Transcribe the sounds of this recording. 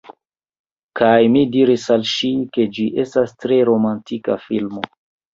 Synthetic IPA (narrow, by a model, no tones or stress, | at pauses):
kʰajmidiɾisalʃike̞d͡ʒiʔe̞stastɾe̞ɾo̞mantika̰filmo